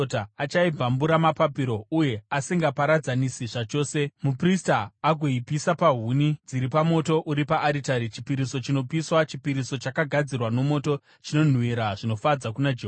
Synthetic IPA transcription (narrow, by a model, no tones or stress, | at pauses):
taːt͡ʃaib͡vambuɾamapapiɾo̞uje̞asiŋɡapaɾad͡zanisiʐat͡ʃo̞ːse̞mupristaːɡʱoipisapaɦunid͡ziɾipamo̞to̞ʔuɾipaʔːɾitaɾit͡ʃi̥piɾiso̞t͡ʃino̞piswat͡ʃipiɾiso̞t͡ʃakaɡʱad͡zirwano̞mo̞to̞ | t͡ʃino̞n̤wiɾaʐino̞fad͡zakunad͡ʒe